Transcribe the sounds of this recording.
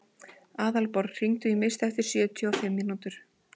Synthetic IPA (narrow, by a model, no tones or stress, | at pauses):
aːðalpɔɾr̥iŋt̪ʏimɪst̪ɛft̪ɪɾ̥sjœːt̪ʰjɔːfɪmːinut̪ʏɾ̥